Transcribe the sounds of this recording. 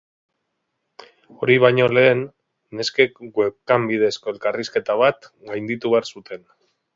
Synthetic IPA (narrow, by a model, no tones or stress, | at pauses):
o̞ɾiβ̞ajɲo̞le̞ːnː | eskekɡwekambið̞e̞sko̞e̞lkariske̞t̪aβ̞at̪ɡajnd̪it̪uβe̞aɾsut̪e̞n